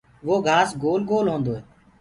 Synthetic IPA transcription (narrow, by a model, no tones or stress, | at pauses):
ʋoːɡʱaːsɡoːlɡoːlɦõːnd̪oːɦɛː